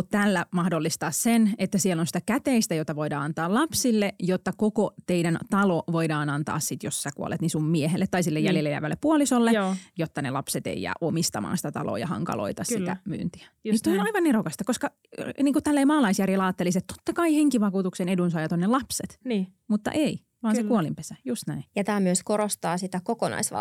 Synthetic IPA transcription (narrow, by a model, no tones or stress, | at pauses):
tt̪ælːæmɑhdolːist̪ɑːssenet̪ːæsielːonsi̥t̪ækæt̪eist̪æjot̪ɑʋoidɑ̰ːɑnt̪ɑːlɑpsilːejot̪ːɑkokot̪eidænt̪ɑloʋoidɑːnɑnt̪ɑ̰ːssit̪jossækṵo̰lʔḛt̪nisummieɦelːet̪t̪ːɑisilːejæljelːejæ̰ʋæ̰lːepːuolisolːejot̪ːɑnelɑpset̪ḛijæ̰ːʔomist̪ɑ̰mɑ̰ːnsi̥t̪æt̪ɑ̰lo̰ːjɑ̰hɑ̰ŋkɑ̰lo̰it̪ɑssit̪æ̰my̰ːnt̪i̥æ̥st̪onɑiʋɑnːerokɑst̪ɑkoskɑ | niːkut̪ælːeːmɑːlɑisjærjelɑːt̪ːeliset̪t̪o̥t̪ːɑkɑiheŋkiʋɑkuːt̪uksenedunsɑiʋɑt̪onːelɑpset̪nːmut̪ːɑ̰ʔei | ʋɑːnsekuolimpesæjust̪næinjɑt̪æːmyøskoɾost̪ɑːsit̪ækokonɑ̰isʋɑ̰